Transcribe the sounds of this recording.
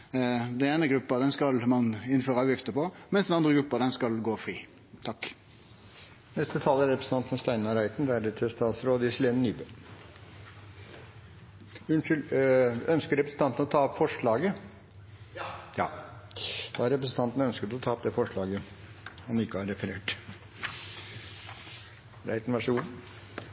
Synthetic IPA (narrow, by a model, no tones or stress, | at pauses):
d̪ɛneːnəɡɾʉpːəd̪ɛnskɑlmɑnɪnføːɾəɑːʋjɪft̪əpɔmɛnsd̪ɛnɑnd̪ʁəɡɾʉpːəd̪ɛnskɑlɡoːfɾiː | t̪ʰɑkː | nɛst̪ət̪ʰɑlːæɾɾɛpɾəsn̩t̪ɑnt̪nst̪æɪnɑɾæɪt̪n̩d̪ɛæɖɛt̪ʰɪst̪ɑːt̪sɾoːd̪əɪslenənyːbə | ʉnʂɪlœnskəɾɛpɾəsn̩t̪ɑnt̪ən̩ɔt̪ʰɑːɔpfɔʂɭɑːɡə | jɑ̰ː | d̪̥ɑɑɾɛpɾəsn̩t̪ɑnt̪ənœnskət̪ɔt̪ʰɑːɔp̚d̪ɛfɔʂɭɑːɡə | ɔmɪkːəɑɾɛfəɾeːʈ | ɾæ̰ɪt̪n̩ʋɑʂuːə